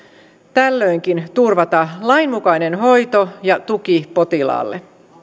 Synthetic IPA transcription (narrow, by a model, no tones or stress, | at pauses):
t̪ælːø̞jŋkint̪urʋɑt̪ɑlɑinmukɑjne̞nɦo̞jt̪o̞jɑt̪uk̟ipo̞t̪ilɑ̰ːlːḛ